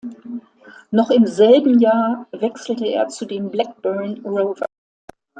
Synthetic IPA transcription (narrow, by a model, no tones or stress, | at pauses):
nɔχɪmzɛlbm̩jaːɐvɛksl̩təḛːɐt͡sudeːmblɛk̚b̥œɐnʁoʊvɐ̰